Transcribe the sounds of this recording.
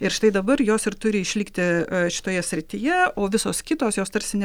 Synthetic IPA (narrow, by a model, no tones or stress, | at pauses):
ɪɾʃt̪ɐɪd̪ɐbɐrjoːsɪrt̪ʊɾʲɪɪʃʲlʲiːkt̪ʲɪʃʲɪ̥t̪oːjɛsʲɾʲɪt̪ʲɪjɛoːʋʲɪsoːskʲɪt̪oːsjoːst̪ɐɾʲsʲɪnʲɛ